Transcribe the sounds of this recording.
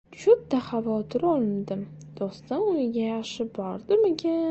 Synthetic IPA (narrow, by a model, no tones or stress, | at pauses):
t͡ʃʊt̪ʰːaχavɒt̪ʰɪɾɒlˠɪnd̪ɪm | d̪̥ɒst̪anʊnɪɡʲajaχʃɪbɒɾd̪ɪmekʲa